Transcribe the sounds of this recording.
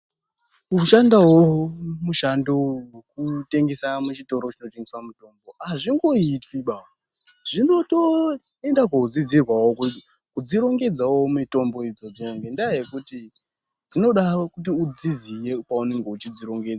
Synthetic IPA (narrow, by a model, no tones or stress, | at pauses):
uʃandawomuʃandowekute̞ŋɡe̞samut͡ʃito̞ɾot͡ʃino̞t̬e̞ŋɡeswamuto̞mbo̞aʐiŋɡo̞itwiɓa | ʐ̥ino̞toe̞ndak̬oud͡zid͡zirwawoku | kud͡ziɾo̞ŋɡe̞d͡zawo̞mito̞mbo̞id͡zo̞d͡zooŋɡendajekuti | d͡zino̞ɗakut̬iud͡zizije̞paune̞ŋɡe̞ut͡ʃid͡ziɾo̞ŋɡe̞d͡za